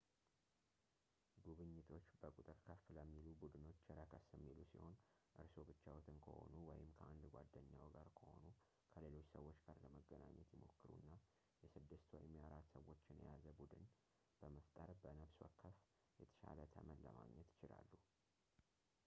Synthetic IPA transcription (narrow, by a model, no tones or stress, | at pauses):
ɡuβɨɲːɪt̪ʰo̞t͡ʃːbəkʼut̪ʼɨɾkʰəfləmːilubud̪ɨno̞t͡ʃːɛɾəkʰəsəmːilusiho̞nʔɨɾso̞bɨt͡ʃːawɔt̪ʰɨnkʰə̰ho̞̰nuwɔjɪmkʰəʔand̪ɡʷad̪ːəɲːawɡaɾkʰəho̞̰nu | kʰəle̞lo̞t͡ʃːsəwo̞t͡ʃːɡaɾləməɡːəna̰ɲːɛt̪jɪmo̞̰kːɨɾṵnːa | jɛsɨd̪ːɨst̪ʰw̰jɪmijaɾat̪səwːo̞t͡ʃːɪnjɛ̰jazəbud̪ɨn | b̥əməft̪ʼəɾbənəβswɔ̰kʰːəf | jɛt̪ʰə̥ʃa̰lət̪ʰəmənlə̰ma̰ɡɲɛt̪jɪt͡ʃɪla̰lːu